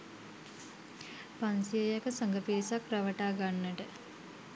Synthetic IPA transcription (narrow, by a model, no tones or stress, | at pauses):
pansijəjəkəsəŋɡəpeːsakraʋəʈaːɡanːəʈə